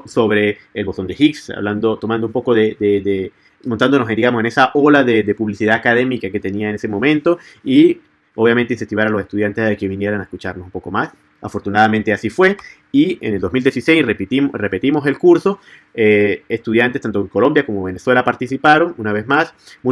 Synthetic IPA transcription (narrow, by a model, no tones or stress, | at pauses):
so̞βɾe̞ːlβot̪o̞nd̪e̞xiksa̰βland̪ot̪omand̪oumpo̞koðed̪ed̪e | mõnt̪and̪onosend̪iɣamose̞nesaʔolaðed̪e̞puβlisiðaːkaðemikake̞t̪e̞niaenese̞mõ̞mẽnt̪o̞i | o̞βjamẽnt̪ensent̪iβaɾalo̞se̞st̪uð̞jant̪eðekeβinje̞ɾanaeskut͡ʃaɾnosumpo̞komas | afo̞ɾt̪unaðament̪e̞asifwe̞ | iḛneld̪o̞zmild̪jesise̞jsreptirepe̞t̪imo̞se̞lkuɾso̞ | eest̪uðjant̪est̪ant̪oeŋko̞lo̞mbjako̞moβe̞ne̞swe̞lapaɾt̪isipaɾo̞ŋunaβe̞zmasmũ